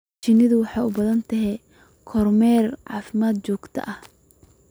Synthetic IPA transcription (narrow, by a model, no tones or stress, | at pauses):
t͡ʃɪnɪðʊwɑħɑːʊbɐðɐnt̪ʰɐɦɛ | kʰɔrmɛrʕɑːfɪmaːd̪̚t͡ʃɔːɡt̪ʰɐ̰ʔɐh